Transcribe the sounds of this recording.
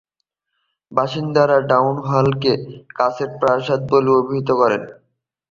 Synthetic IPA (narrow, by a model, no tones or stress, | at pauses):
baʃind̪aɾaɖawnɦalkekaseɾpɾaʃat̪̚boliobʱiɦit̪okɔɾen